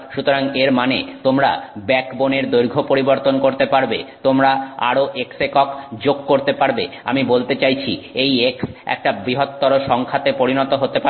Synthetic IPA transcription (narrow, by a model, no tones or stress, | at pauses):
ʃut̪oɾaŋeɾmanet̪omɾa̰bɛkboneɾd̪oɾɡʱopoɾiboɾt̪onkoɾt̪epaɾbet̪omɾaa̰ɾoʔeksekɔkd͡ʑoɡ̚koɾt̪epaɾbe | a̰mibolt̪et͡ɕajt͡ɕʰiejeksɛ̰k̚ʈabɾiɦot̪ːɔɾoʃɔŋkʰat̪epoɾinɔt̪oɦot̪epa